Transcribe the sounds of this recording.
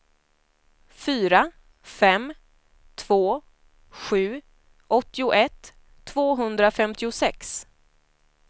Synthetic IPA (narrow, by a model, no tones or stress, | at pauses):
fyːɾa | fɛm | t̪ʰv̥oː | ɧʉ̟ː | ʔɔt̪ːɪʊʔɛt̪ʰː | voːɦɵnd̪ɾafɛmt̪ɪʊsɛks